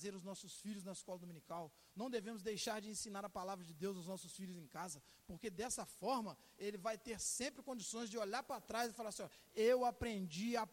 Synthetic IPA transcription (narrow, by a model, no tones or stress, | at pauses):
zeɾʊznɔsʊsfiʎʊznɐɪskɔlɐd̪omĩnikaw | nɐ̃w̃d̪evẽmʊzd̪ejʃaɾd͡ʒɪẽsĩnaɾɐpalavɾɐd͡ʒɪd̪ewzaʊwznɔsʊsfiʎʊzẽkazɐ | poɾked̪ɛsɐfɔɾmɐ | elɪvajt̪eɾsẽmpɾɪkõd͡ʒisõj̃zd͡ʒɪoʎaɾpɾat̪ɾajzɪfalaɾsĩɲɔɾ | ewapɾẽd͡ʒia